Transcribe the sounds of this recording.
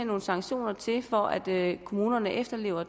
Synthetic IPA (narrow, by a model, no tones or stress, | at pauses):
no̝ːn̩sɑ̈ŋɕo̝̰ːnɐt͡sʰe̝fɒʔæd̥kʰo̝muːnɐnəʔefd̥ɐle̝ːʊ̰ɐ